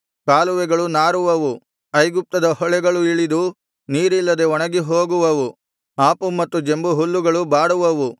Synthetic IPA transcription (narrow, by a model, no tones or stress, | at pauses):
kaːluʋɛɡɐɭunaːɾuʋɐʋu | ɐjɡup̚t̪ɐd̪ɐhɔɭɛɡɐɭuiɭid̪u | niːɾilːɐd̪eɔɳɐɡiɦoːɡuʋɐʋu | aːpumɐt̪ːud͡ʒe̞mbuɦulːuɡɐɭubaːɽuʋɐʋu